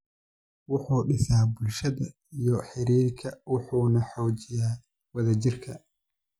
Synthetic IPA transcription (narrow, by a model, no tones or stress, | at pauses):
wʊħuːɖɪsaːbʊlʃɐðɐ | ijɔħɪɾiːrkʰɐwʊħuːnɐħɔːt͡ʃɪjaː | wɐðɐt͡ʃɪrkʰɐ